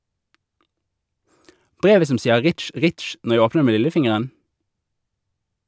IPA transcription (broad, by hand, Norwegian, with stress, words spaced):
ˈbʁeːʋə ˈsɔm ˈsiːə ˈʁɪtʃ ˈʁɪtʃ ˈnɔʁ ˈjæɪ ˈoːpnəʁ ˈeː ˈmeː ˈlɪləˌfɪŋəʁən